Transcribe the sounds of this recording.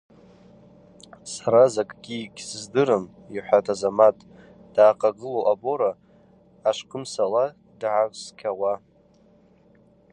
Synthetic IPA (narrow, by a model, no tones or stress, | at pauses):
saɾazakʼɡʲikʲsɨzdɨɾɨm | iħʷᶣatʰʼazamatʼ | d̥aːqʼaɡɨloʔabo̞ɾaː | ʂqʰʼəmsala | dʕarʼskʲʰawa